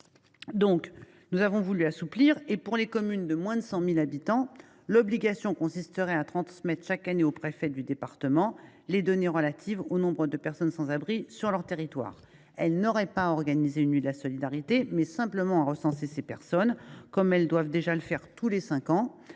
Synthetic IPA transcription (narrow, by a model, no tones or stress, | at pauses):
d̪ɔ̃k | nuzavɔ̃vulyasupliʁepuʁlekɔmynd̪əmwɛ̃d̪əsɑ̃milabit̪ɑ̃ | lɔbliɡʲasjɔ̃kɔ̃sist̪əʁɛat̪χɑ̃smɛt̪χʃakaneopχefɛd̪yd̪epaʁt̪əmɑ̃ | led̪ɔneʁəlat̪ʰivonɔ̃bʁəd̪əpɛʁsɔnsɑ̃zabʁisyʁlœʁt̪eʁit̪wa̰ːʁ | ɛlnɔʁɛpaɔʁɡanizeynlyd̪əlasɔlid̪aʁit̪emɛsɛ̃pləmɑ̃aʁəsɑ̃sesepɛʁsɔnkɔmɛld̪wavd̪eʒaləfɛʁt̪ulesɛ̃kɑ̃